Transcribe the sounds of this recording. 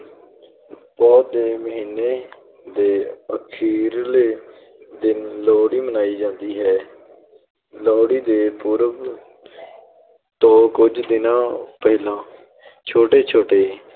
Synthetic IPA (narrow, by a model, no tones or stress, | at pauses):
bɔːt̪eːməɦiːnːeː | d̪eːəkʰiːɾleː | d̪ɪnlɔːɽiːmənaːiːd͡ʒãːnd̪iːɦɛː | lɔːɽiːd̪eːpuɾəʋ | t̪õːkʊd͡ʒd̪ɪnãːpəɦlãː | t͡ʃʰoːʈeːt͡ʃʰoːʈeː